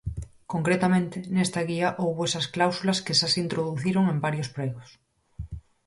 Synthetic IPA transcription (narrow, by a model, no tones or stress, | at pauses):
koŋkɾet̪amẽnt̪enest̪aɣ̞iaʔowβesɐsklawsulɐskeʃasint̪ɾoðuθiɾoŋembaɾjospɾeɣos